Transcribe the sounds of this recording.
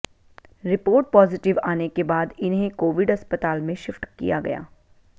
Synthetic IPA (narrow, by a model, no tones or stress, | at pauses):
ɾɪpoːɾʈ̚pɔːzɪʈɪʋaːnekebaːd̪ɪnɦẽkoːʋɪɖɐspət̪aːlmẽʃɪfʈkḭjaɡɐ̰ja̰ː